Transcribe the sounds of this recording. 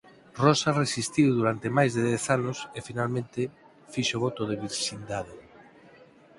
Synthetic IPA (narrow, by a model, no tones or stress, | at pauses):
rɔsaresist̪iwðuɾant̪emajzðeðɛθanʊsefinalmẽnt̪e | fiʃoβɔt̪oð̞eβiɾʃind̪aðe